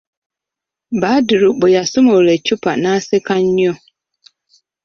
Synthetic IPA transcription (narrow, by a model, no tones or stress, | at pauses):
baːdɪɾʊk͡pʊjasʊmoɾet͡ʃupanãsɪkaɲɲɔ